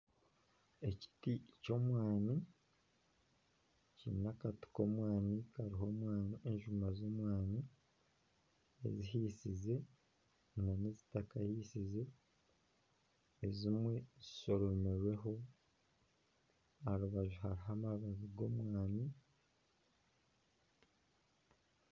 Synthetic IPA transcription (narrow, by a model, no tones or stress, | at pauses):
e̞ci̥tico̞mwaːni | cḭːnakati̥ko̞ːmwaːnikaɾiɦo̞ːmwaːnieɲʒumazo̞mwaːni | ḛziɦiːsize̞ | nanezitakahiːsize̞ | zimwe̞ziso̞ɾo̞meɾwe̞ɦo̞ | aɾuβaʒuhaɾiɦamaβaβiɡo̞mwaːni